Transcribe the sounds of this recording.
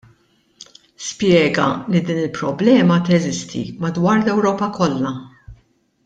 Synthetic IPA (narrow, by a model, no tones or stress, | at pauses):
spjɛːɡɐ̰lid̪iːnɪlpɾɔblɛːmɐt̪ɛzɪst̪ʰḭmɐd̪wɐːɾlɛwɾɔːpɐkɔlːɐ